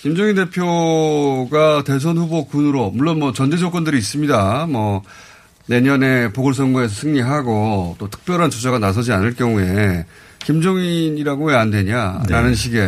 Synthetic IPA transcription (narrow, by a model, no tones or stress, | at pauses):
kimd͡ʑoŋinde̞pʰjo | ɡate̞s̬ʰʌnɸubokunɯɾomuɭːonmwʌt͡ɕʌnd͡ʑed͡ʑʌk͈ʌndɯɾiːs͈ɯmɲidamʌ | ne̞ɲʌne̞poɡʌɭs̬͈ʰʌŋɡue̞s̬ʰʌsʰɯŋɲiɦaɡot͈otʰɯ̥k̚p͈jʌɾɦant͡ɕud͡ʑʰaɡanas̬ʰʌd͡ʑianɯɭk͈jʌŋue̞ | kimd͡ʑoŋiniɾaɡoweandwe̞ɲaɾanɯnɕ̬ʰiɡe̞